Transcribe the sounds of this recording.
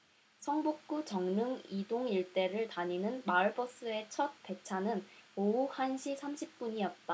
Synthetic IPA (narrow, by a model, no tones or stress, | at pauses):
sʰʌŋbuk̚k͈ut͡ɕʌŋnɯŋidoŋiɭt͈e̞ɾɯɭtaɲinɯnmaɭbʌs͈ɯe̞t͡ɕʰʌt̚pe̞t͡ɕʰanɯnouhanɕʰisʰamɕʰip̚p͈uɲijʌt̚t͈a